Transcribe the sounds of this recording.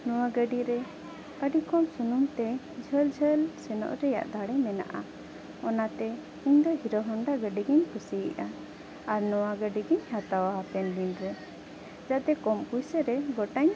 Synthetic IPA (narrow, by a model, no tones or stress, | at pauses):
nɔwaɡəɖiɾɛ | kəɖikɔmsunumt̪ɛ | d͡ʒʱəld͡ʒʱəlsɛnɔ̰ʔɾɛja̰ʔd̪aɽɛmɛna̰ʔa | ɔnat̪ɛ | iɲd̪ɔɦiɾɔɦaŋɖaɡəɖiɡɛɲpusijiʔa | aɾnɔwaɡəɖiɡəɲhat̪awaɦapɛnd̪inɾɛ | d͡ʒaʔt̪ɛkɔmkujsəɾɛɡɔʈaɲ